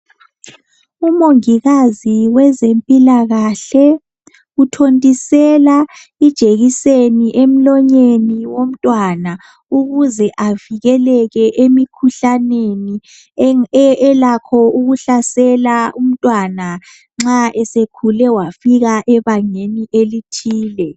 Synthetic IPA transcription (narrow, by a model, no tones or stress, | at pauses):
umoŋiɣaziwɛzempʼilaɣaɬɛ | utʰontʼisɛla | id̥ʒ̥ʱeɣiseniʔem̩lɔɲeniwom̩tʼwana | uɣuzɛʔaviɣɛlɛɣɛʔemikʰuɬaneni | ɛlakʰɔuɣuɬasɛlaum̩tʼwana | ŋ͡ǁaʔɛsekʰulɛwafiɣaʔɛβaŋeniʔelitʰiːlɛ